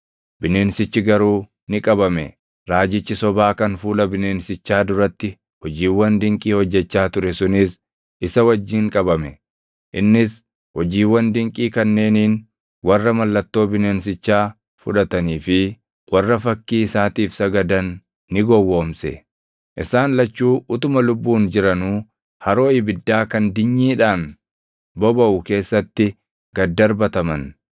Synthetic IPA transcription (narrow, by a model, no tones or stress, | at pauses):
bɪneːnsɪt͡ʃːɪɡɐɾuː | nɪkʼɐbɐmɛ̰ | ɾaːd͡ʒɪt͡ʃːɪsɔbaːkɐnfuːlɐbɪneːnsɪt͡ʃːaːd̪ʊɾɐt̪ːɪ | hɔd͡ʒiːwːɐnd̪ɪŋkʼiːhɔd͡ʒːɛt͡ʃːaːt̪ʊɾɛsʊnɪs | ʔɪsɐwɐd͡ʒːiːŋkʼɐbɐmɛ | ʔɪnːɪs | hɔd͡ʒiːwːɐnd̪ɪŋkʼiːkɐnːe̞ːniːn | wɐrːɐmɐlːɐt̪ːo̞ːbɪneːns̬ɪt͡ʃːaː | fʊᶑɐt̪ɐniːfɪ | wɐrːɐfɐkːiːɪsaːt̪iːfsɐɡɐd̪ɐnː | ɪɡɔwːo̞ːmsɛ | ʔɪsaːnlɐt͡ʃːuːʔʊt̪ʊmɐlʊbːuːnd͡ʒɪɾɐnuː | hɐɾo̞ːɪbɪd̪ːaːkɐnd̪ɪɲːiːᶑaːn | bɔbɐʔʊke̞ːsːɐt̪ːɪ | ɡ̥ɐd̪ːɐɾbɐt̪ɐmɐn